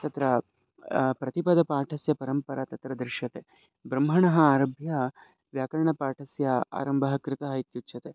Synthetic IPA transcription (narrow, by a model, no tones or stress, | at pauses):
t̪ɐt̪ɾɐ | pɾɐt̪ipɐd̪ɐpaːʈʰɐsjɐpɐɾɐmpɐɾat̪ɐt̪ɾɐd̪ɾɪʃjɐt̪e | bɾɐmɦɐɳɐɦɐaːɾɐbʱjɐ | ʋjaːkɐɾɐɳɐpaːʈʰɐsjɐa̰ːɾɐmbʱɐɦɐkɾɪt̪ɐɦɐit̪jutːʃʰɐt̪e